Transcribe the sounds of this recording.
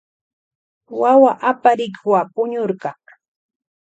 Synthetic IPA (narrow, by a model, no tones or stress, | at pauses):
wawaʔapaɾɪkwapʊɲʊɾɢɑ